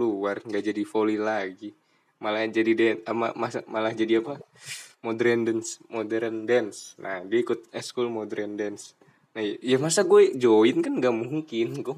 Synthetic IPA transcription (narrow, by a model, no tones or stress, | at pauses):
luarŋɡaʔd͡ʒadifolilaɡi | malad͡ʒadidɛama̰masa̰malahd͡ʒadiapamodɾɛndɛnsmodɛɾɛndɛnsnʔa̰hdiaikʊt̪̚ɛskulmɔdɾɛndɛns | najajamasaɡuɛd͡ʒoinkanɡamuɦikinɡɔ